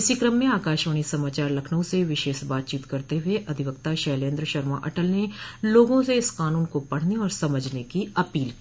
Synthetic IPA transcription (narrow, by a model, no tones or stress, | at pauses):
ɪsikɾɐmːẽaːkaːʃʋəːɽ̃isɐmaːt͡ʃaːɾlɐkʰnəõseʋɪʃeːʃbaːt̪̚t͡ʃiːt̪kɐɾt̪eɦʊeʔɐd̪ʱɪʋəkt̪aʃɐːlẽːnd̪ɾʃɐɾma̰ʔɐ̰ʈəlneloːɡõseɪskaːnuːnkopɐɽ̤neɔːɾsɐməd͡ʒʱnekiɐpiːlki